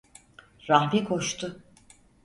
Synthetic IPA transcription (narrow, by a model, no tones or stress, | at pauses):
ɾahbikʰo̞ʃt̪ʰʊ